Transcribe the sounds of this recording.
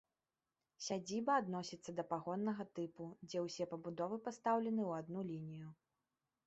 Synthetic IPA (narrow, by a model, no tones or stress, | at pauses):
sʲad͡zʲibɐːd̪nɔsʲit̪sːɐd̪ɐpaɣɔnːɐɣɐt̪ɨpud͡zʲɛwsʲɛpɐbud̪ɔvɨpast̪awlʲɛnɨwad̪nulʲinʲiju